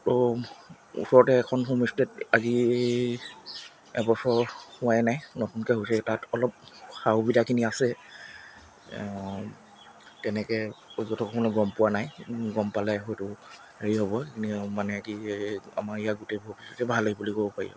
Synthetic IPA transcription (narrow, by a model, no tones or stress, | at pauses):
tɔ | ṵsɔɹɔtɛkʰɔnɦumistɛtazi | ɛ̰bɔsɔɹhʊajnajnɔtunkɛɦojsɛtatɔlɔp̚saubidakʰiniasɛ | tɛnɛkɛzɔtɔkʰɔkʰɔnɔɡɹɔmpʊwanajɡɔmpalɛɦɔjtʊ | heɹiɦɔbɔkinimanɛkia̰maɹijaɡutebʱɔpisɔtɛbʱalaɡibulikobɔpaɹḭɔ̰